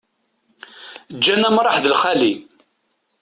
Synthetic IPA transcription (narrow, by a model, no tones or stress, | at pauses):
d͡ʒːænæmɾˤɑħðəlχæli